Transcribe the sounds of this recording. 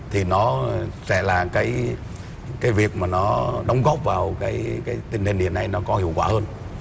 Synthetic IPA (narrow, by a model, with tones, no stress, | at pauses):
t̪ʰi˨˩nɔ˨˦sɛ̰˧˥laː˨˩kaː˨˦j | kaː˨˦jvi˨˩ək̚maː˨˩nɔ˨˦ɗə˨˦wŋ͡mɣɔ˦˥p̚vaː˨˩wkaː˨˦jkaː˨˦jt̪ï˧ŋ̟hi˨˩ŋ̟hḭ˧˨˩əna˧jnɔ˨˦kɔ˨˦hḭ˧˨əwkwaː˧˩həː˧n